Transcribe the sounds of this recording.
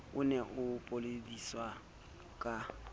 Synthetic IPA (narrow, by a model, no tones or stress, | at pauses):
ʊneʔʊpʼolediswa | kʼa